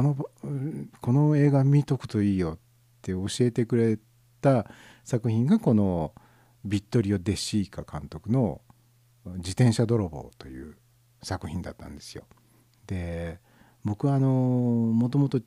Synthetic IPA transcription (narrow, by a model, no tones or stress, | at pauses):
kono | kʰo̞no̞e̞ːɡamʲit̪o̞kɯ̟̥t̪o̞iːjo̞tː | e̞o̞ɕie̞t̪e̞kɯ̟ɾe̞ | t̪a | sakɯ̟çĩŋɡako̞no̞ | bʲit̪ːo̞ɾʲio̞d̪e̞ɕiːkakãnt̪o̞kɯ̟no̞ | d͡ʑit̪ẽ̞ɰ̃ɕad̪o̞ɾobo̞̰ːt̪o̞jɯ̟̰ː | sakɯ̟çĩnd̪a̰t̪ːã̰nd̪e̞̥sɨjo̞̰ | d̪̥e̞ | bo̞kɯ̟βaːno̞mo̞t̪o̞mo̞t̪o